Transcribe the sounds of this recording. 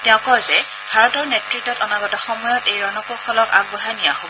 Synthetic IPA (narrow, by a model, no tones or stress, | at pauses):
tɛʊ̃kɔzɛ | bʱaɹɔtɔɹnetɹitːɔtɔnaɡɔtaxɔmɔjɔtejɹɔnɔkokʰɔlɔka̰ɡ̚bɔɹanijaɦobɔ